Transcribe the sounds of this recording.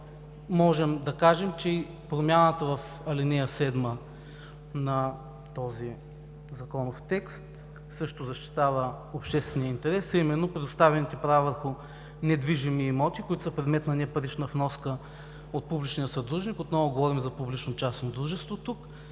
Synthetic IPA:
mɔʒɛmd̪ɐkaʒɛmt͡ʃɛi | pɾomʲjanət̪əvɐf | ɐlinɛjɐsɛd̪mə | nɐ | t̪ɔzi | zɐkɔnoft̪ɛkst̪ | sɤʃt̪ozɐʃt̪i̥t̪avə | opʃt̪ɛst̪vɛnijəint̪ɛɾɛsɐimɛnːopɾɛd̪ʊst̪avɛnit̪ɛpɾavavəɾxʊ | nɛd̪viʒimiːmɔt̪ikoit̪ʊ̥səpɾɛd̪mɛt̪nɐnɛpɐɾit͡ʃnəvnɔskə | ot̪̚publit͡ʃnijəsɐd̪ɾuʒnikot̪nɔvʊɡovɔɾimzɐpublit͡ʃnot͡ʃasnod̪ɾuʒɛst̪vot̪uk

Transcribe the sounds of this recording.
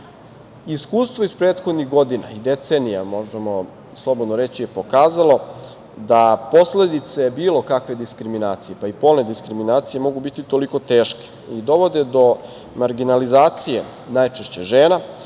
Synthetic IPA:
iskuːst̪ʋoispɾeːt̪xo̞d̪niɣɡo̞d̪ina̰id̪et̪seːnijamo̞ʒemo̞ | slˠo̞bod̪noɾet͡ɕije̞po̞kaːzalo̞ | d̪apo̞sle̞d̪it̪sajebiːlo̞kakʋe̞d̪iskɾiminaːt̪sije̞paipo̞lne̞d̪iskɾiminaːt̪sije̞mo̞ɡubit̪it̪o̞liko̞t̪eːʃke̥ | id̪o̞ʋo̞d̪ed̪o̞ | maɾɡinalizaːt̪sije̞̰ | najt͡ʃeʃt͡ɕeʒeːna

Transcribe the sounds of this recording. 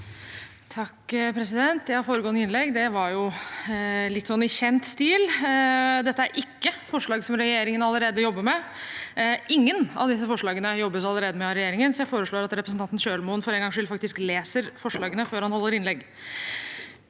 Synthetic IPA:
t̪ʰɑkːpʰɾɛsɪd̪ɛnt̪jɛæɪhɑɾfoːɾəɡɔənəɪnlɛɡd̪ɛʋɑɾjʊ | lɪt̪ːsɔnːɪçɛnt̪st̪iːl | d̪ɛt̪ːəæɾʔɪkːəfɔʂɭɑːɡsɔmɾɛjeːɾɪŋənɑlːəɾeːd̪əjɔbːəɾmɛ | ʔɪŋːənɑ̰ʋd̪ɪs̬ːəfɔʂɭɑːɡənəjɔbːəs̬ɑlːəɾeːd̪əmɛɑɾɛjeːɾɪŋənsɔjæɪfoːɾəʂɭoːɾɑt̪ɾɛpɾəsn̩ɑnt̪nɕøːɭmuːnfɔɾɛŋɡɑŋʂɪlfɑkt̪ɪskleːsəɾfɔʂɭɑːɡənəføːɾhɑnhɔlːəɾɪnlɛɡ

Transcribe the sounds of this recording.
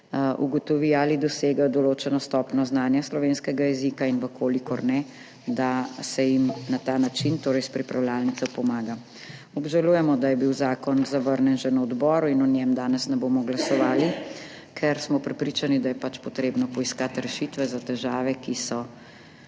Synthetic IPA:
ṵɡɔt̪ɔʋiaːlid̪ɔseːɡajɔd̪ɔloːt͡ʃɛnɔst̪ɔːpnɔznaːnjaslɔʋeːnskɛɡajɛzikainʋəkʰoːlikɔɾnɛ | d̪asɛjimnat̪aːnat͡ʃint̪oːɾɛjspɾipɾʔawljaːlnit̪sɔpɔmaːɡa | ɔbʒaluːjɛmɔd̪ajɛbiwzaːkɔnzaʋəɾnɛnʒɛnaɔd̪bɔːɾuinɔnjɛmd̪aːnɛsnɛboːmɔɡlasɔʋaːli | kʰɛɾsmɔpɾɛpɾiːt͡ʃanid̪ajɛpat͡ʃpɔt̪ɾeːbnɔpɔiskat̪ɾɛʃit̪ʋɛzat̪ɛʒaːʋɛkisɔ

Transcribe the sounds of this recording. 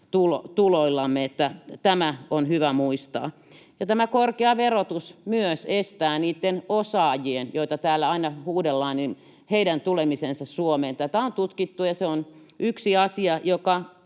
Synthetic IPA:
t̪ulot̪uloilːɑmːeet̪ːæt̪æmæonhyʋæmuist̪ɑ̰ː | jɑt̪æmækorkeɑʋerot̪usmyøsest̪æːniːt̪ːenosɑːjienjoit̪ɑt̪æːlːæɑinɑhuːdelːɑːnin | heidænt̪ulemisensɑssuomeːnt̪æt̪æont̪ut̪kit̪ːujɑseon | ʔyksiɑsiɑjokɑ

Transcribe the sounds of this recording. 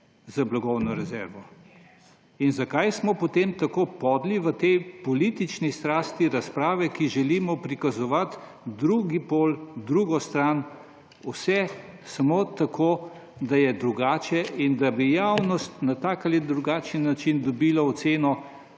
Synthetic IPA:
zablaɡɔwnɔɾɛzɛɾʋɔ | inzakajsmɔpɔt̪emt̪akoːpɔːd̪liʋət̪ɛjpɔliːt̪it͡ʃnist̪ɾaːst̪iɾaspɾaːʋɛkiʒɛliːmɔpɾikazɔʋat̪ | d̪ɾuɡipoːld̪ɾuɡɔst̪ɾan | usɛ | sɐmoːt̪akʰoːd̪ajɛd̪ɾuɡaːt͡ʃɛʔind̪abijawnɔst̪nat̪aːkalid̪ɾuɡaːt͡ʃinat͡ʃind̪ɔbilɔɔt̪seːnɔ

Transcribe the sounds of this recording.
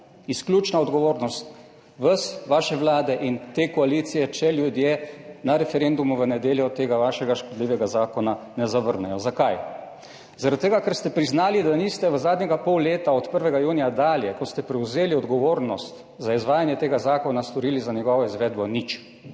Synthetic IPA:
isklʲuːt͡ʃnaɔd̪ɡɔʋoːɾnɔst̪ | ʋəsʋaːʃɛʋlaːd̪ɛʔint̪eːkɔaliːt̪sijɛt͡ʃɛljud̪jenaɾɛfɛɾend̪umuʋənɛd̪jeːljɔt̪eːɡaʋaːʃɛɡaʃkɔd̪liːʋɛɡazaːkɔna | nɛzaʋəɾnɛjɔzakaj | zaɾat̪ːeːɡakɛɾst̪ɛpɾiznaːlid̪anist̪ɛʋəzaːd̪ɲɛɡapɔwleːt̪aɔt̪pəɾʋɛɡajuːnijad̪aːljɛkɔst̪ɛpɾɛwzeːliɔd̪ɡɔʋoːɾnɔst̪ | zaizʋaːjanjɛt̪eːɡazaːkɔnast̪ɔɾiːlizanjɛɡɔʋɔizʋeːd̪bɔnit͡ʃ

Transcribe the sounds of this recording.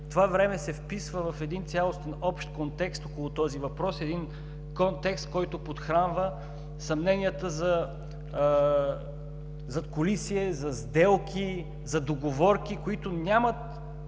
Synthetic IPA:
t̪ovavɾɛmɛsɛfpisvəvɐfɛd̪int̪sʲjalˠost̪ɛnɔpʃt̪̚kont̪ɛkst̪okʊlˠot̪ɔzivɐpɾɔsɛd̪in | kɔnt̪ɛkst̪̚kɔjt̪ʊpot̪xɾanvə | sɐmnɛnʲijət̪əzɐ | zɐt̪kolisiɛzɐzd̪ɛlˠkʰʲi | zɐd̪oɡovɔɾkʲikoit̪ʊnʲamət̪

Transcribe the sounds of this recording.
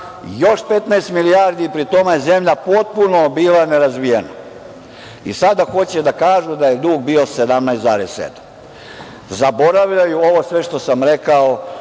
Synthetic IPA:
jo̞ʃpe̞t̪najst̪miliaɾd̪ipɾit̪o̞mejeze̞mʎapo̞t̪̚punobiːlˠaneɾazʋijena̰ | ḭsad̪axo̞t͡ɕed̪akaːʒud̪aje̞d̪uːɡbio̞sed̪amnajst̪za̰ːɾessḛd̪ḁm | zabo̞ɾaʋʎajuo̞ʋo̞sʋe̞ʃt̪o̞samɾekao

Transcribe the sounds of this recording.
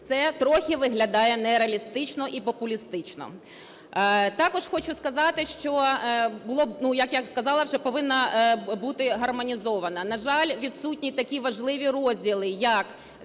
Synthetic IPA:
t̪sɛt̪ɾɔxʲɪʋɪɦlʲɐd̪ɑjɛnɛɾeɐlʲist̪ɪt͡ʃnɔʔipɔpʊlʲist̪ɪt͡ʃnɔ̰ | t̪ɑkɔʒ̥xɔt͡ʃʊskɐzɑt̪ɪʃt͡ʃɔbʊlˠɔbnujɐkjaskɐzɑlˠɐwʒɛpɔʋɪnːɐbut̪ɪɦɐrmɔnʲizɔʋɐnɐnɐʒɑlʲʋʲid̪sutʲnʲit̪ɐkʲiʋɐʒlˠɪʋʲiɾɔzʲdʲilˠɪjɐk

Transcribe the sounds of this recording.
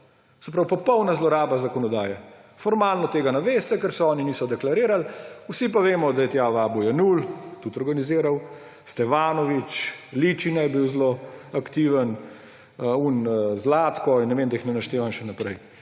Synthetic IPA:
sɛpɾawpɔpɔwnazlɔɾaːbazakɔnɔd̪aːjɛfɔɾmaːlnɔt̪eːɡanaʋeːst̪ɛkɛɾsɛɔːniniːsɔd̪ɛklaɾeːɾalusipaʋeːmɔd̪ajɛt̪jaʋaːbujɛnult̪ut̪ɔɾɡanizɪːɾaw | st̪ɛfaːnɔʋit͡ʃliːt͡ʃinajɛbiwzloakt̪iʋən | unzlaːt̪kɔinːɛʋeːmd̪aixnɛnaʃt̪eːʋamʃɛnapɾɛj

